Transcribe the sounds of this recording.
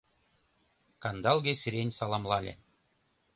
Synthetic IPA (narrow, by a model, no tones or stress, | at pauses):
kɑnd̪ɑlˠɡʲesʲɘ̆ɾʲenʲsɑlˠɑmlˠɑlʲḛ